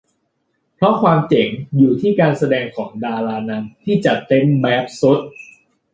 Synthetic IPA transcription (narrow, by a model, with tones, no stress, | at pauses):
pʰɾɔ˦˥kʰwaː˧mt͡ɕe˩˦ŋjuː˨˩t̪ʰiː˥˩kaː˧nsa˧dɛː˧ŋkʰɔː˩˦ŋdaː˧ɾaː˧na˧˥mt̪ʰiː˥˩t͡ɕa˨˩t̪e˦˥mbɛː˦˥p̚so˦˥t̪̚